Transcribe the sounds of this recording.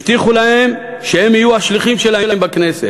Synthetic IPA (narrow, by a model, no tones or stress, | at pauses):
ft̪iχulahe̞m | ʃehemijuaʃliχimʃelahelambakne̞set